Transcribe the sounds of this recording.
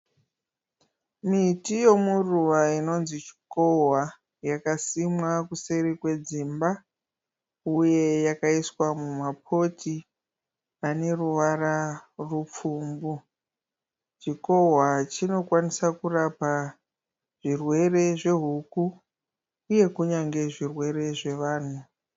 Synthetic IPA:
mitijo̞muruʋaino̞nzit͡ʃi̥ko̞ɦwa | jakasimwakuseɾikwe̞d͡zimba | uje̞jakaiswamumapʰo̞tʰi | ane̞ruʋararup͡fuːmbu | t͡ʃiko̞ɦwat͡ʃino̞kwanisakurapa | ʐ̥irwe̞re̞ʐe̞ɦukuː | je̞kuɲaŋɡe̞ʐirwe̞ɾe̞ʐe̞ʋaːn̤u

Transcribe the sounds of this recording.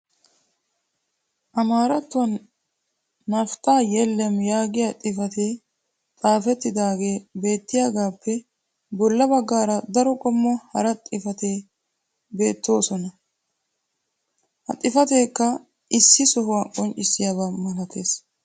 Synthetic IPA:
ʔɐmaːɾɐt̪ːɔn | ɐft̪aːjɛlːɛmjaːɡɪjat̪ʼɪfɐt̪eː | t͡sʼaːfɛt̪ːɪd̪aːɡe̞ːbe̞ːt̪ːɪjaːɡaːpːɛ | bɔlːɐbɐɡːaːɾɐd̪ɐɾɔkʼɔmːɔhɐɾɐt̪ʼɪfɐt̪eː | be̞ːt̪ːo̞ːsɔnɐ | hɐ̰t̪ʼɪfɐt̪e̞ːkːɐ | ʔɪsːɪsɔhʊwaːkʼɔnt͡ʃʼɪsːɪjaβamɐlɐt̪ʰe̞ːs

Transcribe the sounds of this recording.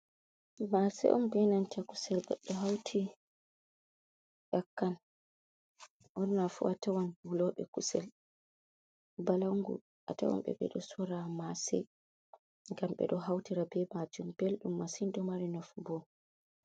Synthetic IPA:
masɛ̰ʔɔmbɛnantakusɛlɓɛɗɔɦawtʰi | jakːan | ɔnnafṵatawanbulɔɓɛ̰kusɛl | balaŋɡṵ | ʔa̰ta̰wa̰mɓɛ̰ɓɛ̰ɗɔsɔɾamasɛ̰ | ŋɡamɓɛ̰ɗɔɦawtiɾabɛmad͡ʒumb̥elɗumːasinɗɔmaɾinɔfbɔ

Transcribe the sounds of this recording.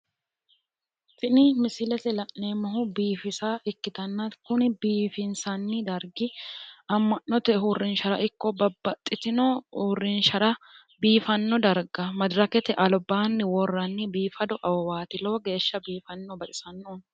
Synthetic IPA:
tɪnɪmɪsɪlɛt̪ɛlɐʔneːmɐɦʊbiːfɪsaːʔɪkːɪt̪ɐnːɐtkʊnɪbiːfɪnsɐnːɪd̪ɐɾɡɪɐmːɐʔːɔt̪ɛɦurːɪnʃɐɾɐ̰ʔɪkːɔbɐbːɐt̪ʼːɪt̪ɪnɔurːɪnʃɐɾɐ | biːfɐnːɔd̪ɐɾɡɐmɐd̪ɾɐkɛt̪ɛʔɐlbaːnːɪwɔrːɐnːɪbiːfɐd̪ɔʔɐwɔwaːt̪ɪloːɡe̞ːʃːɐbiːfɐnːɔbɐt̪ʼɪsɐnːon

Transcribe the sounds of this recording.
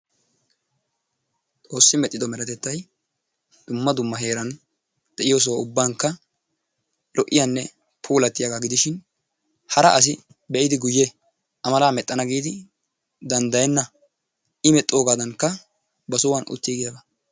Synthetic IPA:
t̪ʼo̞ːsːɪmɛt̪ʼːɪd̪ɔmɛɾɛt̪ɛt̪ːɐj | d̪̥ʊmːɐd̪ʊmːɐɦe̞ːɾɐn | d̪̥ɛʔɪjoːs̬ɔwɐʊbːaːŋkːɐ | lʔɔʔːɪjanːɛ | pʰuːlɐt̪ːɪjaɡaɡɪd̪ɪʃɪn | hɐɾɐʔɐs̬ɪ | bɛʔɪd̪ɪɡʊjːɛ | ʔɐmɐlaːmɛt̪ʼːɐnɐɡiːd̪ɪ | d̪ɐnd̪ɐjɛnːɐ | ɪmɛt̪ʼːo̞ːɡaːd̪ɐnkːɐ | bɐsʊwanʔʊ̰t̪ːiːɡɪjabɐ

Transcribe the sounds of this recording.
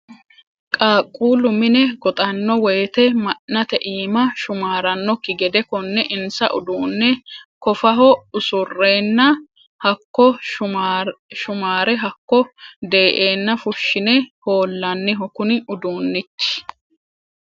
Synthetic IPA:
kʼaːkʼːuːlʊmɪnɛɡɔt̪ʼɐnːɔweːt̪ɛmɐnːɐt̪ɛʔiːmɐʃʊmaːɾɐnːɔkːɪɡɛd̪ɛkɔnːɛʔɪnsɐ̰ʔʊ̰d̪uːnːɛkɔfɐɦɔʊsʊrːeːnːɐ | hɐkːɔ | ʃʊmaːɾɛɦɐkːɔd̪e̞ːʔe̞ːnːɐfʊʃːɪnɛho̞ːlːɐnːɪɦɔkʊnɪʊd̪uːnːɪt͡ʃːɪ̥

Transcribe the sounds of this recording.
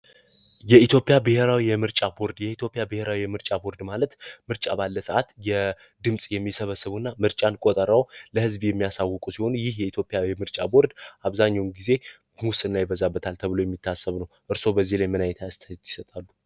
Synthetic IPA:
jɛit̪ʰjo̞pʼɪjabɨhe̞ɾawijɛmɨɾt͡ʃʼabo̞ɾd̪jɛit̪ʰjo̞pʼjabɨhe̞ɾawijɛmɨɾt͡ʃʼabo̞ɾd̪malət̪mɨɾt͡ʃʼabalːəsəʔat̪jɛ | d̪ɨmsʼjɛmːisəβəsːɨβuɨnːamɨɾt͡ʃʼankʼot̪ʼəɾəwləhɨzbjɛmːijasawːɔkʼusiho̞nujɪhjɛit̪ʰjo̞pʼjajɛmɨɾt͡ʃʼabo̞ɾd̪ʔaβzaɲːawmɡize̞ | musɨnːajbəzabːət̪ʰalt̪ʰəβɨlo̞jɛmːit̪ʰːasːəβnəwʔɨɾso̞bəzːihlajmɨnajɛt̪ʰajst̪ʰːi̥sət̪ʼalːu

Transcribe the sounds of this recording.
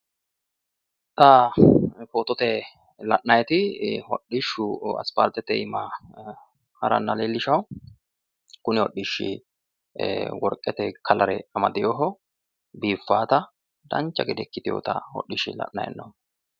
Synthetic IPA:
t̪ɐ | koːt̪ɔt̪ɛ | lɐʔnɐjɛt̪ɪhɔ̰ɗːɪʃːʊɐ̰spaːɾt̪ɛt̪ɛɪmɐ | hɐɾɐ̰nːɐleːlːɪʃɐw | kʊnɪwɔɗːɪʃːɪ̰ | wɔɾkʼːɛt̪ɛkʰɐlɐɾɛɐmɐd̪ɪjɔɦɔ | biːfːaːt̪ɐ | d̪ɐnt͡ʃːɐɡɪd̪ɛkːɪt̪ɪjo̰ːt̪ɐ̰hɔ̰ɗːɪʃɪ̰lɐ̰ʔnɐ̰jɛ̰nːo

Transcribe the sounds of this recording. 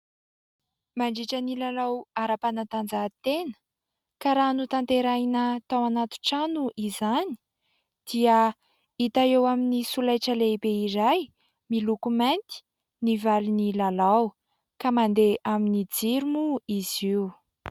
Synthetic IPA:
maɳɖ͡ʐiʈ͡ʂənilalawaɾapanat̪and͡zat̪enə̥ | kaɾaːnut̪ant̪eɾajnət̪awanat̪u̥ʈ͡ʂanuʔizani̥ | d̪̥iə | it̪aewaminisulajʈ͡ʂəlebeiɾaj | milukumant̪i̥ | nivalinilalaw | kamand̪eʔaminid͡ziɾumuiziw

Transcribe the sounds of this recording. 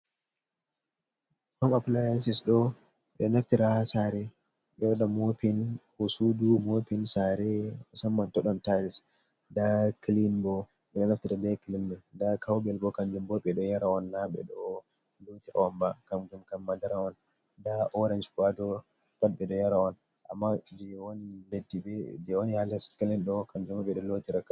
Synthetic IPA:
hɔmaplajsisɗɔ | ɓɛɔnaftiɾasaɾɛ | ɓɛɗɔɗɔmopinhosudumopinsaɾɛɔsamːantɔɗɔntaɾis | dakilinbɔ | ɓɛɗɔnaftiɾabɛkilimbɛdakʰawbɛlbɔkamd͡ʒumbɔɓɛɗɔjaɾawɔnːaɓɛ̰ɗɔ | lotiɾa̰wɔmbakamɡumkamːadaɾawɔn | daʔɔɾand͡ʒkadɔ | tat̚bɛɗɔjaɾawɔn | ʔa̰mːad͡ʒɛwoniledːibɛd͡ʒɛwonihalaskilinɗɔkamd͡ʒumaɓɛɗɔlotiɾaka

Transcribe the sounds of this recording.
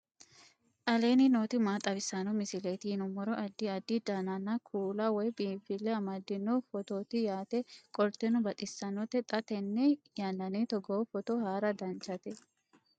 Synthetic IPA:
ʔɐleːnɪnoːt̪ɪmaːt̪ʼɐbɪsːɐnɔmɪsɪleːt̪ɪnʊmɔɾɔʔɐd̪ːɪɐd̪ːid̪ɐnɐnːɐkʰuːlɐwɔjbiːfɪlːɛɐmɐd̪ːɪnːɔfɔt̪oːt̪ɪjaːt̪ɛkʼɔɾt̪ːɛnɔbɐt̪ʼɪsːɐnɔt̪ɛt̪ʼɐt̪ɛnːɛjɐnːɐnet̪ɔɡoːfɔt̪ɔhaːɾɐd̪ɐnt͡ʃɐt̪ɛ

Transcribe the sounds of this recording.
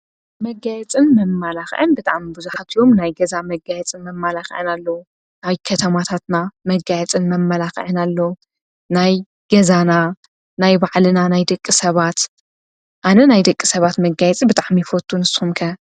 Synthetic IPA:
mɐɡajɛt͡sʼɨnmɐmːalaxʕɨnbɨt̪ʼa̰ʕmibɨzuħat̪jo̞mnajɡɐzamɐɡajɛt͡sʼɨnmɐmːalaxɨ̰ʕɨ̰nalːɐwu | naβkʰɐt̪ʰɐmat̪ʰat̪namɐɡajɛt͡sʼɨnmɐmːɐlaxʕɨnalːow | naj | ɡ̥ɐzana | najbaʕlɨnanajd̪ɐkʼːɨsɐβat̪ | ʔanɐnajd̪ɐkʼːisɐβat̪mɐɡajɛt͡sʼibɨt̪ʼaʕmifot̪ʰʼːunɨsxumkʰɐ

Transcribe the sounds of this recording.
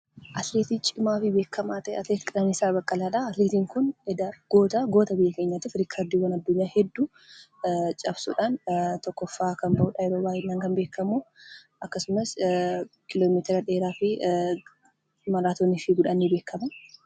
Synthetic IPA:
ʔɐt̪leːt̪it͡ʃʼɪmaːfɪbe̞ːkːɐmaːt̪ɐɛ̰ɐt̪leːt̪ɪ̥kʼɪlɐnɪsaːbɐkʼːɐlaːᶑaɐt̪leːt̪iːŋkʊnɛd̪aɡ̥oːt̪ɐɡo̞ːt̪ɐbɪjːɐke̞ːɲːat̪ɪfɾɪkʰaɾd̪iːwɐnɐd̪ːʊɲːaːhɛd̪ːuː | t͡ʃʼɐbsṵːᶑaːnt̪ɔkːɔfːaːkɐmbɐʔuːᶑɐjɛɾoːbaːɪnːaːŋkɐnbe̞ːkʰːɐmu | ʔɐkːɐsʊmɐs | kʰɪloːmiːt̪ɪɾɐᶑe̞ːɾaːfɪ | mɐɾaːt̪onːɪfɪɡʊᶑɐnːiːbe̞ːkːɐmɐ

